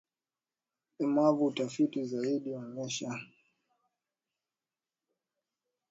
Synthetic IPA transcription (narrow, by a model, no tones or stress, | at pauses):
imavutafitizaiɗiɔɲɛʃa